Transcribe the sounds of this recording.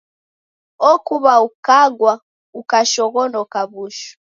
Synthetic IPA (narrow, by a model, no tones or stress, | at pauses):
ɔkuβaukaɡwa | ukaʃɔɣɔnɔkaβuʃu̥